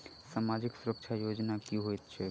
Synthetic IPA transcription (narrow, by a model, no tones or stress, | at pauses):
saːmaːd͡ʒɪksuɾəkʃʰajoːd͡ʒnakjũɦoet̪t͡ʃʰɛ